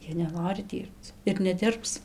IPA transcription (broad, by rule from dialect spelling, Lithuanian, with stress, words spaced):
ˈjiɛ nʲɛˈnoːrʲɪ ˈdʲiːrpt͡s ɪr nʲɛˈdʲɪrps